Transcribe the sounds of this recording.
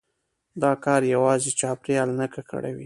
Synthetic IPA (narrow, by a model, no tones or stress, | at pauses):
d̪ɑkɑɾjawɑzet͡ʃɑpɾeɑlnakakə̰ɽa̰wi